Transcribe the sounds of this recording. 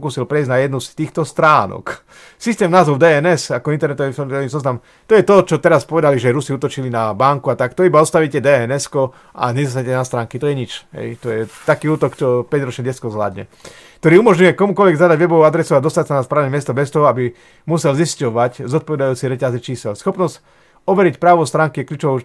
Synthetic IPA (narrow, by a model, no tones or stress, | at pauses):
kuːsilpɾɛizɟnajɛd̪nust̪iːxt̪ɔst̪ɾaːnɔ̰k | sist̪ɛːmnaːzɔʊd̪ɛɛnɛsakɔint̪ɛɾnɛt̪ɔʋisɔmt̪ɔʋizɔznam | t̪ɔjɛt̪ɔt͡ʃɔt̪ɛɾaspɔʋɛd̪aliʒɛɾusiut̪ɔt͡ʃilinabaŋkuat̪akt̪ɔibaɔst̪aʋiːcɛd̪ɛɛnɛskɔ | ʔa̰ɲɛzas̬aɲɛcɛnast̪ɾaːŋkit̪ɔjɛɲit͡ʃɦɛ̰jt̪ɔjɛt̪akiːuːt̪ɔkt͡ʃɔpɛɟɾɔt͡ʃɲɛɟɛskɔzɦla̰ːd̪ɲɛ̰ | kt̪ɔɾiːumɔʒɲujɛkɔmukɔlʋɛɡzad̪aɟʋɛbɔʋɔad̪ɾɛsuad̪ɔst̪acsanaspɾaːʋnɛmɪɛst̪ɔbɛst̪ɔɦɔabi | musɛlziscɔʋaczɔt̪pɔʋɛd̪ajuːt͡siɾɛcazit͡ʃiːsɛlsxɔpnɔsc | ɔʋɛɾicpɾaːʋɔst̪ɾaːŋkiɛklʎuːt͡ʃɔʋɔ